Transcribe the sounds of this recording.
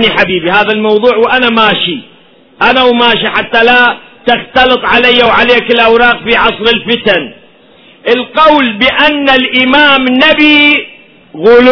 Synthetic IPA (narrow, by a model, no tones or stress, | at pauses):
niħabiːbihaːðalmɑwðˤuːʕwʔanamaːʃi | ʔanawmaːʃiħat̪ːalat̪ɪxt̪ɑlɨt̪ˤʕalajːawʕaleːkɪlʔawɾɑːqfiʕɑsˤɾɪlfɪt̪an | ʔɪlqɑwlbɪʔanːalʔɪmaːmnabi | ɣʊl